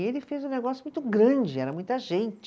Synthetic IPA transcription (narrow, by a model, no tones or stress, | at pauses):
elɪfezũneɡɔsjʊmũj̃t̪ʊɡɾɐ̃d͡ʒɪɛɾɐmũj̃t̪ɐʒẽnt͡ʃ